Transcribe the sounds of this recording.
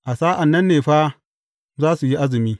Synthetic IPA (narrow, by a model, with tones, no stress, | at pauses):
ʔa˨saː˦ʔa˨nːɐ˦nːe˨ɸa˦ | zaː˦su˨ji˦ʔa˦zi˨miː˦